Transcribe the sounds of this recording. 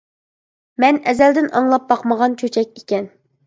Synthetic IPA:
mɛnɛzɛld̪ɪnʔɑŋlˠɑp̚bɑqməʁɑnt͡ʃʰøt͡ʃʰɛkʲekʲɛn

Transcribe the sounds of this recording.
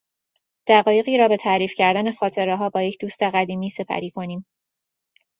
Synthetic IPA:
d̪̥æʁɒːje̞ɣiːɾɒːbe̞t̪ʰæɾiːfcʰæɾd̪æne̞xɒːt̪ʰe̞ɾeɦɒːbɒːje̞cʰd̪uːst̪eʁæd̪iːmiːse̞pʰæ̰ɾiːkʰo̞niːm

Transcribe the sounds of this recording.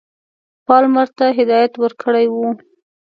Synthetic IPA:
pɑlmaɾt̪aɦɪd̪ɑjat̪wəɾkʰəɽajwu

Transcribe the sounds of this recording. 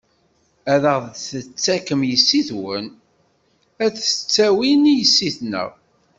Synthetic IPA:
æðəʁðθət͡sːækəmjəsːiθwən | æθə̥t͡sːæwinijəsːiθnə̰ʁ

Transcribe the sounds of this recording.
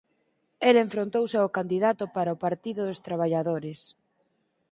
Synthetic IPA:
eleɱfɾont̪owsɪaokand̪iðat̪ʊpaɾaopaɾt̪iðʊðʊst̪ɾaβ̞aʎaðoɾɪs

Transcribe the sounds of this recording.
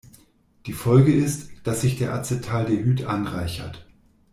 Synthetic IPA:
d̥iːfɔlɡəɪstd̥asz̥ɪçd̥eːɐʔat͡sətʰaːldeːɐɦyːtʔanʁaɪçɐt

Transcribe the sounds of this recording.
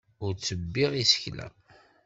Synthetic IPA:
ʊɾt͡sːəbːiʁisə̥çlæ̰m

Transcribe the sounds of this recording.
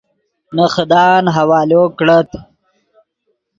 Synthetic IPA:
nəxd̪ɑːnɦɐwɑːloːkɽət̪

